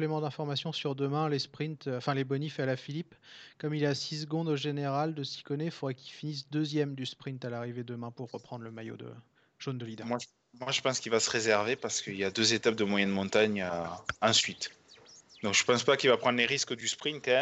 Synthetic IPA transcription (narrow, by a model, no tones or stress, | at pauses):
plemɑ̃d̪ɛ̃fɔʁmasjɔ̃syʁd̪əmɛ̃lespχĩnt̪ɑ̃fɛ̃lebɔnifalafilipkɔmilasis̬əɡɔ̃d̪oʒeneʁald̪əsi̥kɔnɛfod̪ʁɛkʲilfinis̬d̪øzjɛmd̪yspχĩnt̪alaʁived̪əmɛ̃puʁːəpχɑ̃d̪ʁləmajo̰d̪ə̰ | ʒ̥ond̪əlid̪ãmwaʒ | mwaʒəpɑ̃skilvasə̥ʁezɛʁvepaʁsə̥kəiljad̪øzet̪ap̚d̪əmwajɛnmɔ̃t̪aɲaɑ̃sɥit̪ | d̪ɔ̃kʒ̥əpɑ̃spakilvapχɑ̃d̪leʁiskəd̪yspχĩnt̪kɛ